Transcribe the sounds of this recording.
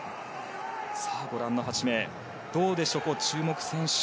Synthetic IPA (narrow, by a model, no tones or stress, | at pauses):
saːɡo̞ɾãnːoɦat͡ɕime̞ː | d̪̥o̞ːd̪e̞ɕo̞ːko̞t͡ɕɨːmo̞kɯ̟̥sẽ̞ɰ̃ɕ